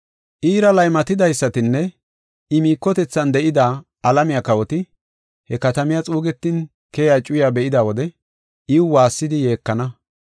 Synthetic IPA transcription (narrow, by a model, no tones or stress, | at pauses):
ʔiːɾɐlɐjmɐt̪ɪd̪ɐjsːɐt̪ɪnːɛ | ɪmiːkːɔt̪ɛt͡sːɐnd̪ɛʔɪd̪aː | ɐlɐmɪjakɐwɔt̪ɪ | hɛkɐt̪ɐmɪjat͡sʼuːɡɛt̪ːɪn | kɛjat͡ʃʼʊjabɛʔɪd̪awɔd̪ɛ | ʔɪwʊwaːsːɪd̪ɪje̞ːkːɐnɐ